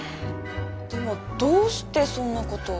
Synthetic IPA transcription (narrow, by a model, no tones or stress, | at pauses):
d̪emod̪oːst̪esonːakot̪o